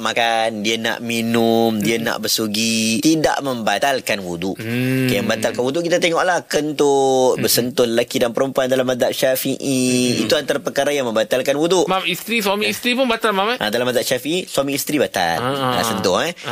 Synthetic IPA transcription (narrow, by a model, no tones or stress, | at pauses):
makandiana̰ʔminʊmdiana̰ʔbəsuɡiida̰ʔməmbat̪alkanwuduʔkajməmbat̪alkanwuduʔkit̪at̪eŋɔʔlahkənt̪ʊtbəsənt̪ʊləlakidanpəɾəmpuandalamːad̪aʔʃafiʔiḭt̪uant̪aɾapəkaɾajaŋmə̃mbat̪alkanwuduʔmamist̪ɾiswamiist̪ɾipʊnbat̪almamʔa̰dalamad̪aʔʃafiʔiswamĩːst̪ɾibat̪a̰la̰sənt̪ʊha